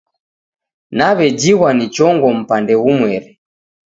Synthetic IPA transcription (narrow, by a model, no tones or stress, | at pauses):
naβɛd͡ʒiɣwanit͡ʃɔŋɡɔm̩pandɛɣumwɛɾɛ